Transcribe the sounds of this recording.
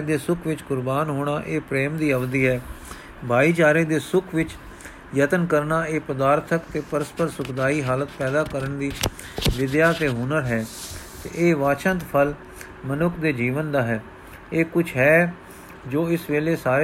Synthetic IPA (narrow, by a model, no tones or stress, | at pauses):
d̪eːsʊkʰʋɪt͡ʃɡʊɾbaːnɦoːɽ̃aːʔeːpɾeːmd̪iːəʋd̪iːɦɛː | bʱaːiːt͡ʃaːɾeːd̪eːsʊkʰʋɪt͡ʃ | jət̪ənkəɾnaːeːpəd̪aːɾt̪ʰəkt̪eːpəɾəspəɾsʊkd̪aːiːɦaːlət̪̚pɛːd̪aːkəɾəɳd̪iː | ʋɪd̪jaːt̪eːɦʊːnəɾɦɛːt̪ḛːʔeːʋaːt͡ʃʰə̃nt̪pʰəl | mənʊkʰd̪eːd͡ʒiːʋənd̪aːɦɛː | eːkʊt͡ʃʰɦɛː | d͡ʒoːɪsʋeːleːsaːɾe